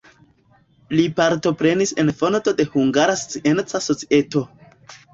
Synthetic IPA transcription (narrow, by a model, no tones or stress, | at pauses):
lipaɾto̞pɾe̞nise̞nfo̞nto̞de̞huŋɡaɾaso̥t͡siʔe̞nt͡saso̞t͡si̥e̞to̞